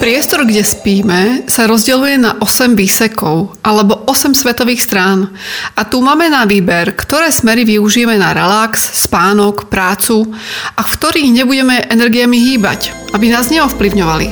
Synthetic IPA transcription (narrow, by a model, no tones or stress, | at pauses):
pɾɪɛst̪ɔɾɡɟɛspiːmɛsaɾɔzɟɛlujɛnaʔɔsɛmʋiːsɛkɔʊʔalɛbɔʔɔsɛmsʋɛt̪ɔʋiːxst̪ɾaːnat̪uːmaːmɛnaʋiːbɛɾkt̪ɔɾɛːsmɛɾiʋiuʒijɛmɛnaɾɛlaksːpaːnɔkpɾaːt͡suʔakt̪ɔɾiːɣɲɛbuɟɛmɛʔɛnɛɾɡijamiɦiːba̰c | ʔabinaːzɲɛɔfpliʊɲɔʋalḭ